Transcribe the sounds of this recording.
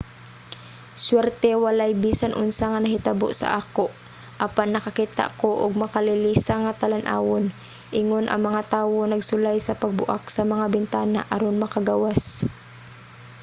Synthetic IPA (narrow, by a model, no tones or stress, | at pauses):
swɛɾt̪ɛwɐlajbiːsanʔʊnsaŋɐnɐɦɪt̪ɐbo̰ʔsɐ̰ʔaːkoʔ | ʔɐpanːɐkɐkiːt̪a̰ʔkoʔʊɡ̚mɐkalɪliːsaŋat̪alanʔa̰ːwon | ʔɪŋonʔɐ̰ŋmɐŋat̪aːwonɐɡsʊlajsɐpɐɡ̚bʊ̰ʔaksɐmɐŋabɪnt̪aːna̰ʔɐɾonmɐkaɡawas